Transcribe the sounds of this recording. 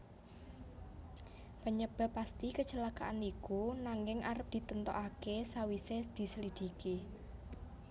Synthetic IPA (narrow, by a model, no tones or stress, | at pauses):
pəɲəb̥a̤pːast̪ikət͡ʃəlakaʔanikunaŋɪŋʔaɾəp̚d̪̥i̤t̪ənt̪ɔ̰ʔakesawised̪̥i̤səlid̪̥i̤ki